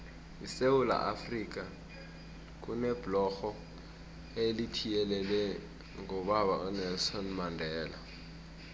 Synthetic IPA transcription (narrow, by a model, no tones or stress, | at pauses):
isewula̰ʔafrik̬ʼa | k̬unɛb̥lɔxɔ | elitʰijɛlɛlwɛ | ŋɔɓaɓa̰ʔɔnɛlsɔnmandʱɛːla̰